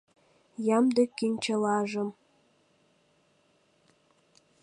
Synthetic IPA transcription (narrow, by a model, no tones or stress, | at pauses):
jɑmd̪əkːinʲt͡ɕəlɑʒə̆m